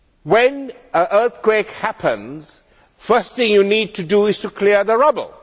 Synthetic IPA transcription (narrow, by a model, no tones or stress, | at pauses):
wɛ̃n | əʔəːθkwekhæpʰə̃nz | fəsθɪ̃ŋjuniːd̚tuduɪz̥tukʰliəðəɹʌbə̰lˠ